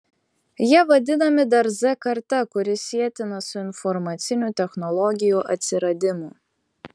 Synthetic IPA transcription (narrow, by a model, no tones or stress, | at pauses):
jiɛʋɐd̪ʲɪnɐmʲɪd̪ɐɾzɛkɐɾt̪ɐkʊɾʲɪsʲiɛt̪ʲɪnɐsʊɪnfɔɾmɐt̪sʲɪnʲut̪ʲɛxnɔlˠɔɡʲɪjuːʔɐ̰t̪ʲsʲɪɾɐd̪ʲɪmʊ